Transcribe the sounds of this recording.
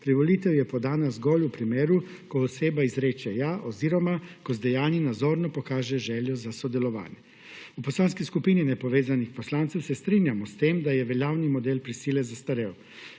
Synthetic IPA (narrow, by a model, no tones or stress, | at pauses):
pɾiʋɔliːt̪ɛwjɛpɔd̪aːnazɡɔlʲupɾimeːɾu | kɔɔseːbaizɾeːt͡ʃɛjaʔɔziːɾɔmakɔzd̪ɛjaːninad̪zɔːɾnɔpɔkaːʒɛʒɛːljɔzasɔd̪ɛlɔʋa̰ːnjɛ | upɔslaːnskiskupiːninɛpɔʋeːzanixpɔslaːnt̪sɛmsɛst̪ɾiːnjamɔst̪eːmd̪ajɛʋɛljaːwnimɔd̪eːlpɾisiːlɛzast̪aɾɛɔ